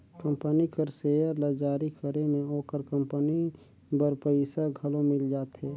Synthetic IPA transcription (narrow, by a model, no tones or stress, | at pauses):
kə̃mpənikəɾseːjəɾlad͡ʒaːɾikəɾemẽoːkəɾkə̃mpəni | bəɾpəɪsaɡʱəlomɪld͡ʒaːt̪ɦɛː